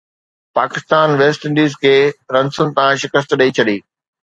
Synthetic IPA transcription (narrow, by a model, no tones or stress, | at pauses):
paːkɪst̪aːnʋeːsʈɪ̃ɳɖiːzkʰeːɾɐ̃nsʊnɪ̆t̪ãʃɪkəst̪ɗɐit͡ɕʰɐɗiː